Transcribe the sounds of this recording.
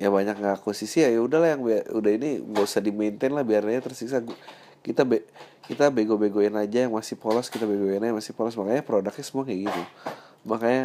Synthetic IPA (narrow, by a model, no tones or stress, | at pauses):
jabaɲak̚ŋɡakusisijajaudahlahjaŋbiaudahiniɡosadiment̪ɛnlahbiarɲaɲat̪ərsiksaɡ | kit̪abe | kit̪abeɡobeɡoɛnad͡ʒajaŋmasipolɔskit̪abeɡoɛnad͡ʒamasɪpɔlɔsmakaɲapɾodak̚ɲasəmuakaɡit̪u | makaɲa